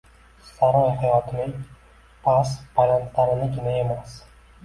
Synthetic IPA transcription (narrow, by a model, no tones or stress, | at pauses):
saɾɒjhajɒt̪ʰɪnɪŋ | pʰasbajant̪ʰlaɾɪnɪɡʲɪnae̞mas